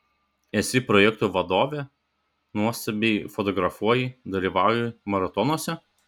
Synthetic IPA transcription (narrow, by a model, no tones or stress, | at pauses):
ɛsʲɪpɾɔjɛkt̪uːʋɐd̪oːʋʲeː | nuɔst̪ɐbʲefɔt̪ɔɡɾɐfuɔjɛd̪ɐlʲiːˑʋɑˑʊjɛmɐɾɐt̪ɔnuɔsʲɛ